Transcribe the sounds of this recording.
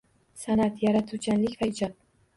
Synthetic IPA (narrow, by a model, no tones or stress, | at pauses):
sanat̪jaɾat̪ʰut͡ʃʰanlɪkʲvaɪd͡ʒɒp̪̚